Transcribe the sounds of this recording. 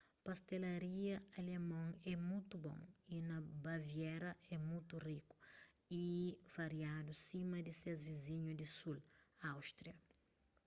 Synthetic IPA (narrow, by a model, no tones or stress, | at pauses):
past̪elaɾiɐalemɐ̃ŋɛmũjt̪ubõ̰ŋinɐbavjɛɾɐʔɛmũjt̪uriku̥ | ivaɾjad̪usimɐd̪ɪsezvizĩɲud̪ɪsulawʃt̪ɾiɐ